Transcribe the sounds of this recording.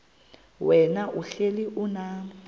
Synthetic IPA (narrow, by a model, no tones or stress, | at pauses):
wɛnaʔuɬeliʔunaː